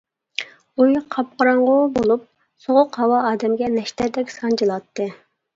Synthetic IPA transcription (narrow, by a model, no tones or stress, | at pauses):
ujqʰɑp̚qəɾɑɴʁʊbolˠup̚ | soʁʊqhɑwɑɑːd̪ɛmɡʲɛnɛʃt̪ɛd̪ɛkʲsɑnt͡ʃɨlˠɑt̪ːɨ